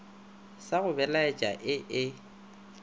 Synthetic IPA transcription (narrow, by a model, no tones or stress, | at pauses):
saɣʊbɛlaet͡ʃʼa̰ʔɪʔɪ